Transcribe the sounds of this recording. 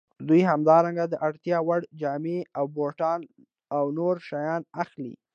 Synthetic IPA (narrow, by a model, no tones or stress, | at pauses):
d̪ujhamd̪ɑɾaŋɡad̪əʔaɽt̪jɑwaɽd͡ʒɑmeawboʈɑn | awnoɾʃajɑnaxlḭ